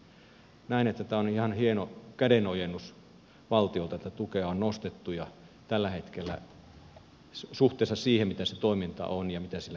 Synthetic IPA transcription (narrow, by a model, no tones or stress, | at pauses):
næˑenet̪ːæt̪æːonihɑnhienokædenojenːus | ʋɑlt̪iolt̪ɑet̪ːæt̪ukeɑonnost̪et̪ːujɑ | t̪ælːæhet̪kelːæ̰ | suht̪ˑeˑːsːɑssiːhemmit̪æset̪oˑimint̪ɑ̰onjɑmit̪æsilːæ